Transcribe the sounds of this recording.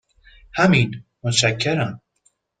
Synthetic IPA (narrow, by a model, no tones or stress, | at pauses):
hæminmoʃækʰːeɾæm